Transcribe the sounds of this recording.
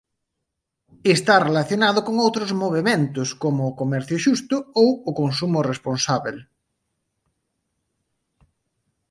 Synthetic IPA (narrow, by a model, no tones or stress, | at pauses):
est̪arelaθjonaðʊkoŋowt̪ɾʊzmoβ̞emẽnt̪ʊskomʊːkomɛɾθjʊʃust̪ʊowʊkons̬umʊresponsaβel